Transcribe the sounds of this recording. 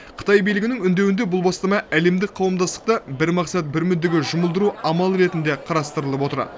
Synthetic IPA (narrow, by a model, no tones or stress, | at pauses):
qʰə̥t̪ɑjbijlɪɡʲɪnɪŋʏnd̪ewɪnd̪e̞bʊlˠbɑst̪ɑmɑʔæle̞md̪ɪk̚qʰːɑwəmd̪ɑst̪ə̥q̚t̪ɑbɪɾmɑqsɑt̪̚bɪɾmʏd̪ɪɡʲɪʒʊməlˠd̪əɾuɑmɑlˠɾe̞t̪ɪnd̪e̞qʰɑɾɑst̪əɾəlˠəpwo̞t̪əɾ